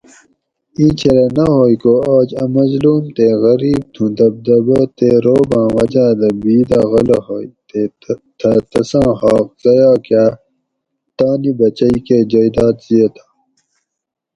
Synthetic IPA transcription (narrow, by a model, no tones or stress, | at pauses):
ĩːt͡ɕʰeɾɐnɐɦojkoaːd͡ʑɐmɐzluːmt̪eɣɐɾiːb̚t̪ʰũd̪ɐb̚d̪ɐbot̪eɾoːbãːwɐd͡ʑaːd̪ɐbiːd̪aɣɐlɐɦojt̪e | t̪ʰɐt̪ɐsãːɦaːq̚z̥ɐjaːka | t̪aːnibɐt͡ɕɐiked͡ʑɐjd̪aːt̪z̥iet̪ʰaː